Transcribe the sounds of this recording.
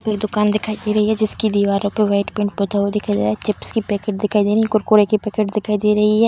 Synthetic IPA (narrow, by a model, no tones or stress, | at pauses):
pekd̪ʊkaːnd̪ɪkʰaːid̪iɾɐɦiɦɛd͡ʒɪskid̪iːʋaːɾõpeʋaɪʈpɪ̃ɳʈ̚pot̪ad̪ɪkʰaid̪aɦɛt͡ʃɪpskipɛːkeːʈ̚d̪ɪkʰaːid̪eːɾɦiɛkʊɾkoːɾekipɛːkeːʈd̪ɪkʰaːid̪eːɾɐɦiɦɛː